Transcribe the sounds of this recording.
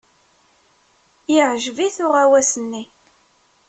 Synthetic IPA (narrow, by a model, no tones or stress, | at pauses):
iʕʒviθʊʁæwæsənːi